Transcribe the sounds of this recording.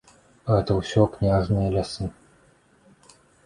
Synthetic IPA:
ɣɛt̪ɐwsʲɔknʲaʐnɨjɐlʲasɨ

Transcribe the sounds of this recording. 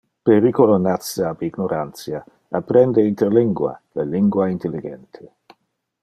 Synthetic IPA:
peɾikolonat̪t͡saabiɡnoɾʔant̪t͡sja | apɾɛnd̪eint̪eɾliŋɡwa̰laliŋɡwaint̪eliɡɛnt̪ʰe

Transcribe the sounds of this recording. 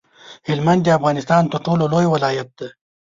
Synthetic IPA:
hɪlmand̪iafɣɑːnɪst̪ɑnt̪əɾʈololojwɪlɑːjat̪̚d̪e

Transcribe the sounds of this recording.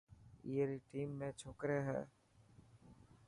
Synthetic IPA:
iəɾiʈiːmːẽt͡ʃʰoːkɾeɦɛ̰ː

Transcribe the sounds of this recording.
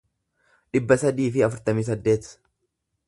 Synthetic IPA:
ᶑɪbːɐsɐd̪iːfɪɐfʊɾt̪ɐmiːs̬ɐd̪ːe̞ːt̪

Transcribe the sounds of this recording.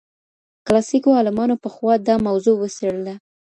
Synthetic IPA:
klɑsikoɑlɪmɑnopəxwɑd̪ɑmawzowəseɽəla

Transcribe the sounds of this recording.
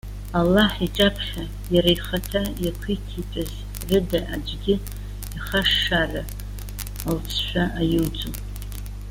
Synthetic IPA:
alːaħit͡ʃʼapʰχʲa | jaɾajχatʰajakʷʰitʰipʼɨz | rɨdaʔa̰d͡ʒɡʲɪ | iχaʂːara | alt͡sʰʃʷᶣaʔajɨwd͡zu

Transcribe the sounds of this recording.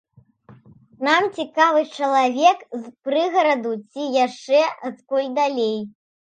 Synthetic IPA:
namt͡sʲikavɨt͡ʂɐlˠavʲɛkzpɾɨɣɐɾɐd̪ut͡sʲijaʂt͡ʂɛɐt̪kɔlʲd̪alʲej

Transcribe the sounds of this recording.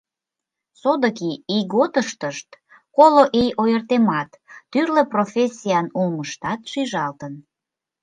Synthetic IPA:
sod̪əkiiɣot̪əʃt̪əʃt̪ | koloʔejojərt̪emɑt̪ː | yrleprofʲesʲijɑnulməʃt̪ɑt̪ʃyʒɑlt̪ən

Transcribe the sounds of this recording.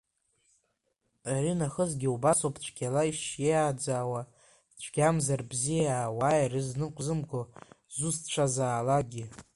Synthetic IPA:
aɾinaχəzɡʲiubasopʰt͡ʃʷʰɡʲalaiʃjejaːd͡zaːwa | t͡ʃʷʰɡʲamzarbzijawaːjrɨznɨqʷʼzɨmɡo | zust͡ʃʷʰazaːlaɡʲɪ

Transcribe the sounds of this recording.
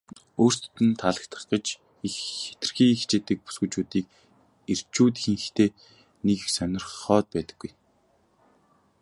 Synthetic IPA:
oːr̥st̪t̪ɘ̆nt̪ʰaɮə̆k̚t̪ʰə̆χɢə̆t͡ɕ | ixe̥t̪ɘ̆rxiːŋxt͡ɕeːt̪ɘ̆k̚pu̥sɡŭjt͡ɕuːt̪iːk̚ | er̥t͡ɕuːt̪xiŋxxt̪ʰeː | nekxsœnʲɪ̆rχɔːt̪̚pæːt̪ə̥̆ɡ̥ːuj

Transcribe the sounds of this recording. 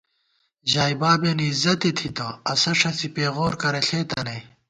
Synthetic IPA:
ʑaːibaːbenizɐt̪et̪ʰit̪oɐsɐʂɐsipeːɣoːɾkɐɾeɬʰeːt̪ɐnɐ

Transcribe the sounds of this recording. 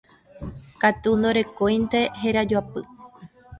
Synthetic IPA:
kat̪und̪o̞ɾe̞kojnt̪e̞ɦeɾad͡ʒuapɨ

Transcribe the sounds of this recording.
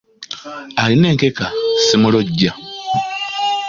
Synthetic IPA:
aline̞ːŋkekasimuloɟːa

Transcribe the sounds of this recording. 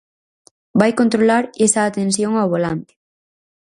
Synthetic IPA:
bajkont̪ɾolaɾesaːt̪ẽns̬joŋawβolant̪ɪ̥

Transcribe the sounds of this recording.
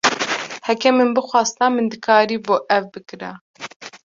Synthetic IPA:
hɛkɛmɨnbɨxʷɑːst̪amɨnd̪ɨkʰaːɾiːboːʔɛvbɨkɨɾɛ̰

